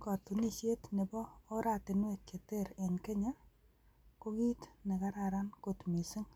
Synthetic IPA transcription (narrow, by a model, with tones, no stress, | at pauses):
kɔ˨t̪u˨ni˦ʃe˦t̪nɪ˨bɔː˦ɾa˨t̪ɪ˨nwe˨kːe˨t̪e˦ɾɪ˨nke˦ɲa˦ | ko˦ɡi˦t̪nɪ˨ka˦ɾa˨ɾa˦nko˨t̪mi˨sɪ˦ŋ